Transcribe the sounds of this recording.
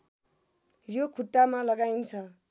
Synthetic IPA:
jokʰuʈːamalʌɡajnt͡sʰʌ

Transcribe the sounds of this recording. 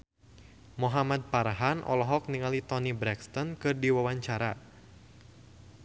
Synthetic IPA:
muɦamad̪̚paɾaɦanʔɔ̰lɔɦɔk̚niŋalit̪ɔnibɾɛkst̪ɔnkɨrdiwawaɲt͡ʃaɾa

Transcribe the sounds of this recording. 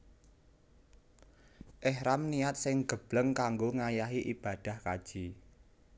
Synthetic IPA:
ʔɛhɾamniat̪̚sɪŋɡ̥əb̥ləŋkaŋɡoŋajaɦiʔib̥a̤d̥a̤hkad̥ʒ̥i

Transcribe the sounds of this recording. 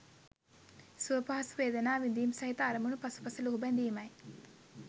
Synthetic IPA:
suʋɐpaɦɐsuʋeːd̪ɐnaːʋind̪iːmsɐɦit̪aːɾɐmunupɐsu̥pɐsɐluɦubɐnd̪iːmaj

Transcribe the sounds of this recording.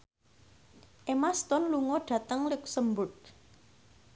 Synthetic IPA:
ʔemast̪ɔnluŋɔɖ̥ä̤t̪əŋlɪksəmbʊt̪̚

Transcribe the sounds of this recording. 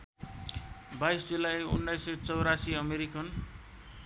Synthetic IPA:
bajsd͡zulajṵnːajsʌjt͡sʌwɾasiʌmeɾikʌn

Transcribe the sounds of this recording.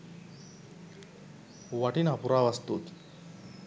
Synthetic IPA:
ʋaʈinapuɾaʋast̪ṵt̪

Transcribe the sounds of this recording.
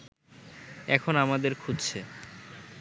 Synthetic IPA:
ɛkʰonamad̪eɾkʰudt͡ɕʰe

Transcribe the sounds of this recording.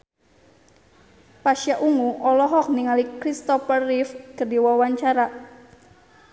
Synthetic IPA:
paʃjaʔuŋuʔɔlɔɦɔk̚niŋalikɾist̪ɔfərːifkərdiwawaɲt͡ʃaɾa

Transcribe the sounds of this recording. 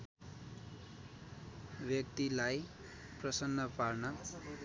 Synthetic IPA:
bjʌkt̪ilaj | prʌsʌnːʌparnʌ

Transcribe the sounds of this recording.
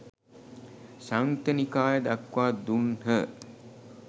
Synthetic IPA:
saŋt̪ənikaːjəd̪akʋaːd̪unɦə

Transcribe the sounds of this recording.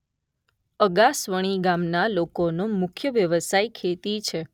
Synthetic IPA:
əɡasʋəɽ̃iɡamnalokonomʊkʰjəʋjəʋəsaikʰet̪it͡ʃʰe

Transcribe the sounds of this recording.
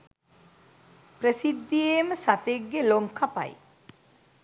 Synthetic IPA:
pɾəsid̪ːieməsat̪eɡːeloŋkʰapa̰j

